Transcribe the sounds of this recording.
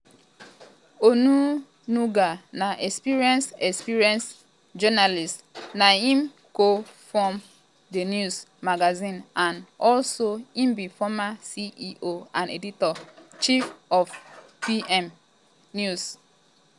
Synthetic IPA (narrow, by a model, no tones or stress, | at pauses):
onu | nuɡanaʔɛkspiɹiɛ̃nsɛkspiɹiɛ̃ns | d͡ʒɔnalistnaĩm | kofɔm | denjusmaɡazĩnãnɔlsoĩmbifɔmasiʔiʔoãnḛditɔt͡ʃifɔfpiɛm | njus